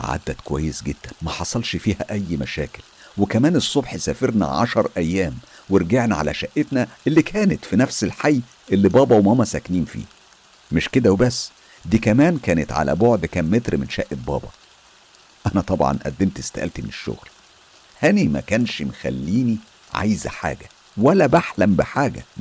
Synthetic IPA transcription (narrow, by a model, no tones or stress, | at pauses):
ʕa̰d̪ːækowæ̰jːesɡed̪̥ːænmæħɑsˤɑlʃfiːhæ̰ʔæjːmæʃæːkel | wekæmæːnesˤːobħsæːfeɾnæ̰ʕɑ̰ʃɑɾˤʔæjːæːmweɾɡeʕnæʕa̰læ̰ʃæʔːet̪næʔelːiːkʰæːnet̪finæfselħajː | ʔelːibɑːbɑwemhomæsækniːnfḭː | meʃked̪æwebæsː | d̪iːkæmæːnkæːnet̪ʕa̰læ̰boʕd̪kæmːet̪ɾmenʃæʔebɑ̰ːbɑ̰ | ʔænæt̪ˤɑbʕɑ̰nʔæ̰d̪ːemt̪est̪æʔæ̰lt̪meneʃːo̰ɣl | hænimæ̰kænʃmexæ̰lːiːni | ʕa̰jzæħa̰ːɡæ | wælːæbaħlæmbeħaːɡæ̰